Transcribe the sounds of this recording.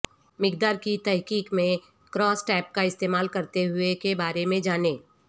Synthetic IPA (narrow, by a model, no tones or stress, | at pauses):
mɪkd̪aːɾkit̪ɛɦkiːkmẽ | kɾɔːsʈɛːp̚kaɪst̪eːmaːlkɐɾt̪eɦʊekebaːɾemẽd͡ʒaːneː